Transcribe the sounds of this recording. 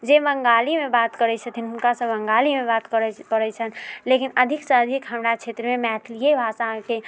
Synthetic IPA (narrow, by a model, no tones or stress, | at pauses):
d͡ʒebəŋɡaːlimẽbaːt̪kəɾɛt͡ʃʰə̃t̪ʰinɦunkasə̃bəŋɡaːlimebaːt̪kəɾɛkəɾɛt͡ʃʰənlekinəd̪ʱiksə̃əd̪ʱikɦəmɾat͡ʃʰeːt̪ɾəmemɛːt̪ʰlijebʱaːsake